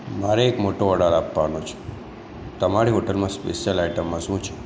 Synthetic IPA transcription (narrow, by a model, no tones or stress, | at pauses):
maɾeːkmoʈoəɽaɭapːanot͡ʃʰo̥ | t̪əmaɾiɦoʈəlmãspḛʃjəlaiʈəmːãʃũt͡ʃʰe̥